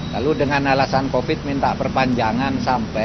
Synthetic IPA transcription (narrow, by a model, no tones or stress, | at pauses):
laludəŋanalasankofɪt̪̚mint̪aʔpərpaɲd͡ʒaŋansampɛ